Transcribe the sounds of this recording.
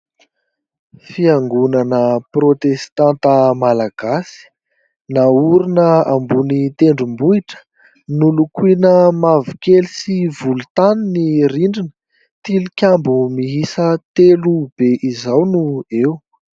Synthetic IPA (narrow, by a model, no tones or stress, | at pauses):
fiaŋɡunanəprot̪est̪ant̪əmalaɡ̥asi̥ | nauɾinəambunit̪eɳɖ͡ʐumbuiʈ͡ʂə̥ | nulukuinəmavukelisivulut̪aniniriɳɖ͡ʐinə̥ | t̪ilukʲambumiɦisət̪elub̥eʔizawnuew